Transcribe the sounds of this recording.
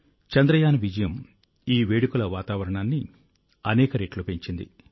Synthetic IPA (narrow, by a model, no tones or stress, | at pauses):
t͡ʃɐnd̪ɾɐjaːnʋid͡ʒɐjɐm | iːʋeːɽukulɐʋaːt̪aːʋɐɾɐɳaːnːi | ɐnɛːkɐɾeːʈlupeɲt͡ʃind̪ḭ